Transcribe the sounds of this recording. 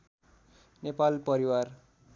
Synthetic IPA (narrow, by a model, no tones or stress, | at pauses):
nepalpʌɾiwar